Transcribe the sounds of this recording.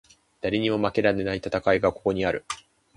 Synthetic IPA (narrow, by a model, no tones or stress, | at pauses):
d̪̥aɾʲeɲ̟imo̞make̞ɾane̞nait̪at̪akaiɡakoko̞ɲ̟iaɾɯ̟